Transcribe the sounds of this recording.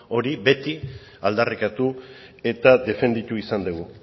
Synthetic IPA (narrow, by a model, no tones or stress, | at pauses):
o̞ɾibe̞t̪i | a̰ld̪arikat̪u | e̞t̪ad̪e̞fe̞nd̪it̪uisand̪uɣu